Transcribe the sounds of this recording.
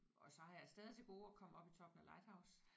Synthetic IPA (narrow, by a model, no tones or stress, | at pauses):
ɒ̽sɒ̽hɑ̈jɑ̈ɪsd̥ɛːðˠit͡sʰeɡ̥o̝ːɒ̽kʰɒ̽m̰ɒ̽b̥it͡sʰɒ̽b̥n̩ælɑ̈ɪd̥hɑ̈ʊ̰s